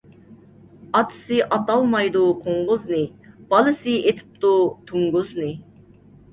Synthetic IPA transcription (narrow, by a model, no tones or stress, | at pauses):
ɑt̪ʰɨ̥sɨʔɑt̪ɑlˠmɑjd̪uqʰoɴʁʊznɪb̥ɑlˠɨsɨet̪ʰɪ̥p̚t̪ut̪ʰuŋɡʊznɪ